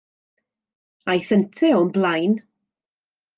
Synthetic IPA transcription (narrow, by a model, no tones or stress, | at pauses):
ajθəntʰɛɔnblajn